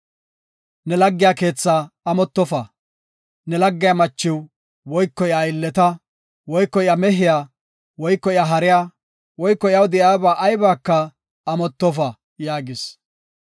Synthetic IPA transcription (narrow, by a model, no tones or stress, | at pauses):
nɛlɐɡːɪjaːke̞ːt͡sːaːɐmɔt̪ːɔfɐ | nɛlɐɡːɪjamɐt͡ʃːɪw | wɔjkːɔɪajɪlːɛt̪ɐ | wɔjkːɔɪjamɛɦɪjaː | wɔjkːɔɪaːɦɐɾɪjaː | wɔjkːɔɪjɐwd̪ɪʔjaːbaːʔɐjbaːkːɐː | mɔt̪ːɔfɐ | jaːɡɪs